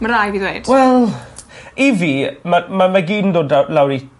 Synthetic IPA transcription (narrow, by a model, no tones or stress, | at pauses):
məɾajviːðweɨd̥wɛlˠ | ivimamamaɡiːn̩doːdalawɾi